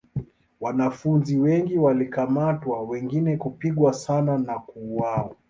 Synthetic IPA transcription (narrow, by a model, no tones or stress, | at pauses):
wanafunziwɛŋɡiwalikamatwawɛŋɡinɛkupiɠwasananakuːwawa